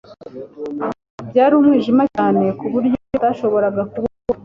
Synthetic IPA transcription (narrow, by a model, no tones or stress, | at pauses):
bɟaːɾiumŋiːʒimaaːne̞kuβuɾɟootaʃo̞βo̞ɾaɡakuβok